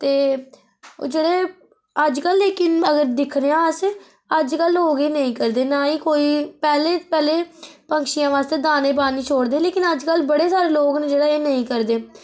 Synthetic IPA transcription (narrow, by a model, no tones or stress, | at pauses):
t̪eː | o̰d͡ʒeːɽeː | əd͡ʒkəlːeːkɪnəɡəɾd̪ɪkʰɾejãːəs | əd͡ʒkəloːɡeːnəĩːkəɾd̪eːnaːiːkoːiːpɛːleːpɛːleːpəŋkʃijãːʋaːst̪eːd̪aːneːp̬aːniːt͡ʃʰoːɽd̪eːleːkɪnəd͡ʒkəlbəɽeːsaːɾeːloːɡned͡ʒeːɽaːeːnəĩːkəɾd̪eː